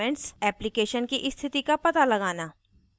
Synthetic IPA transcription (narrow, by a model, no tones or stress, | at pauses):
ɛ̃ɳʈsɛːplɪkeːʃənkiʔɪst̪ʰɪt̪ikapɐt̪alɐɡaːnaː